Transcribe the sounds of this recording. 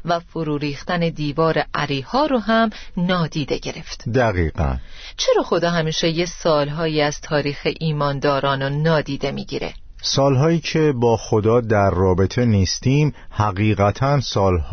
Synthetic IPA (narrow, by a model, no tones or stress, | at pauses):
væfoɾuːɾiːxt̪æne̞d̪iːvɒːɾe̞ʔæɾiːhɒːɾoɦæmnɒːd̪iːd̪e̞ɟe̞ɾe̞ft̪d̪æɣiːɢæ̰n | t͡ʃʰe̞ɾɒːxo̞d̪ɒːɦæmiːʃejesɒːlɦɒːjiːæz̥t̪ʰɒːɾiːxeʔiːmɒːnd̪ɒːɾɒːnonɒːd̪iːd̪e̞mḭːɟḭːɾḛ | sɒːlɦɒːjiːcʰe̞bɒːxod̪ɒːd̪æɾːɒːbet̪ʰe̞niːst̪iːmhæɣiːɣæt̪ʰænsɒːlhː